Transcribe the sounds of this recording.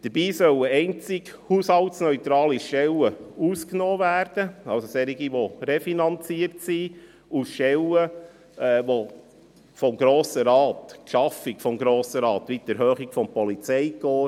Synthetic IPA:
d̥əɾbiːsœwəɛɪnt͡sikhuːshɑltsnœʏt̪ɾɑːliʃtɛləuːsknoːvæːɾd̥əɑlsosɛɾiɡiʋorefinɑnt͡siəɾtsi | usʃtɛlə | ɛːʋo | fɔmɡɾoːsəɾɑːt̪kʃɑfikfɔmɡɾoːsəɾɑːt̪ʋit̪əɾɦøːχikfɔmpɔlit͡sɛjkoː

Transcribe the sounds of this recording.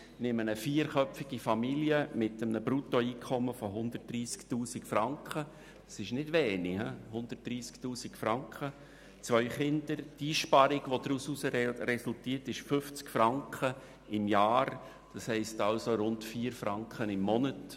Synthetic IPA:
nɪmənəfiːəɾχœpfɪɡifɑmiljəmɪtəmnəbɾutoiːkʰɔməfɔɦʊnd̪ərt̚d̥ɾiːsktuːsikfɾɑŋkχə | d̥ɑsɪʃnɪd̥ʋɛːnihɛhʊnd̪̥ətd̥ɾiːsktuːsikfɾɑŋkχə | t͡sʋœʏχɪndəɾtiːʃpɑɾɪɡʋod̥̪ɾususəɾɛsʊltiːətɪʃfʏft͡skfɾɑŋkχə | ɪmjɑːɾ | d̥ɑshɛɪstɑlsoɾʊntfiːəɾfɾɑŋkχənɪmːɔnət

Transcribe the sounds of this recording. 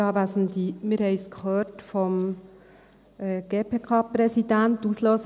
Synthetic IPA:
ɑːʋæsn̩d̪iːmɪɾɛɪskhøːtfɔm | ɡ̥eːpʰeːkʰɑːpɾɛsidæntuːsløːs

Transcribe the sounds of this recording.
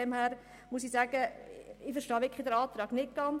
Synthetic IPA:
ɛmhæːɾ | musɪsæːɡ̥əɪfəɾʃtɑːʋɪkʰχlidɛɾɑːt̪ɾɑːɡnɪt̚ɡ̥ɑn

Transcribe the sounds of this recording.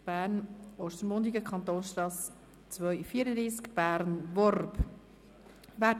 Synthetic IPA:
b̥æːɾnɔʃtənmʊnd̪iɡəkʰχɑnt̪oːnsʃtɑs | t͡svœʏfiːəɾəd̪ɾiːskb̥æːɾnvɔrb | væ

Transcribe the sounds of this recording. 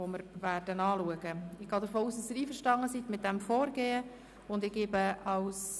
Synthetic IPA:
oməɾvæːɾd̥ənɑːluəɡəɪɡ̥ɑːd̪əɾfoːuːsd̥ɑsiːɾiːfəʃtɑŋəsit̪mɪt̪̚d̥ɛmfoːɾɡeːə | ʊndɪɡ̥eːbəɑws

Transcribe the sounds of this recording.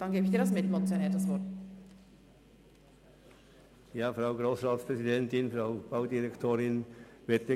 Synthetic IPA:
d̥ɑnɡeːbəɪçd̥iːɐɾɑsmɪtmonsanɛtdasvɔt | jaːfɾaʊɡɾoːsʁaːtspʁɛzidɛntɪnfraʊb̥aʊdiɾɛktʰoːɾɪn | vɛtə

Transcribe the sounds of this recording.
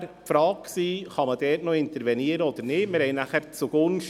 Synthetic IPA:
pfɾɑːk̚ksiːχɑməd̥ɛːtnoɪntəɾvɛniːəɾəɔd̥əɾnɪtmɪɾhɛɪnaχɛɾt͡suɡ̥ʊnʃ

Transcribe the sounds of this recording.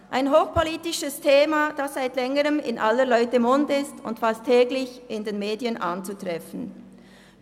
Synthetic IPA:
ʔaɪnɦoːxpʰɔliːtɪʃəstʰeːmad̥asz̥aɪtlɛŋəʁəmɪ̰nʔalːəlɔʏtəmʊndɪstʊntfastʰːɛːɡlɪçʔɪndeːnmeːdiənʔant͡sutʁɛfn̩

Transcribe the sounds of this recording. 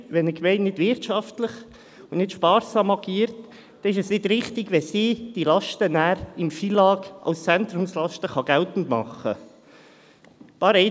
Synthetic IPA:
ʋɛnəkmɛɪnnɪd̥ʋɪɾtʃɑftləχ | ʊnɪtʃpɑːɾsɑmɑɡiːəɾt | d̥ɛnɪʃɛsnɪd̥ɾɪχtɪɡʋɛsiːd̥ilɑʃtənæːɾɪmfiːlɑːɡʔɑ̰ʊst͡sɛnt̪ɾʊmslɑʃtəχɑɡ̥æltn̩tmɑ̰χːə̰ | pɑːɾɛɪ

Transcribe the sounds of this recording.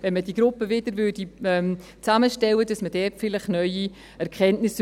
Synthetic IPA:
vɛnmədiːɡɾʊpːəvɪdəɾvøːdiɛm | t͡saməʃtɛlədɑsmədɛtfɪlɪχnœʏi | ɛɾkʰχɛntnɪs

